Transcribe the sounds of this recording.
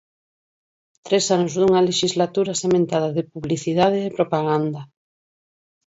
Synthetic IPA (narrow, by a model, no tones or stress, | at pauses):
t̪ɾesanozðuŋɐleʃizlat̪uɾasemẽnt̪að̞aðɪpuβliθiðað̞ɪːpɾopaɣand̪a